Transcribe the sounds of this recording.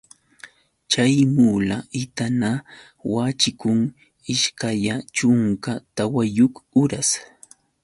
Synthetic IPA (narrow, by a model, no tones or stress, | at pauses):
t͡ʃajmuːlaɪt̪ana | wat͡ʃɪkʊŋ | ɪʃkaʎat͡ʃʊŋkat̪awajʊkʊɾas